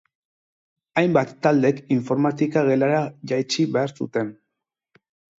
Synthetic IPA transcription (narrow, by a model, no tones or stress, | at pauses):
ajmbat̪ːald̪e̞kiɱfo̞ɾmat̪ikaɣe̞laɾaʝajt͡ʃiβe̞aɾsṵt̪e̞n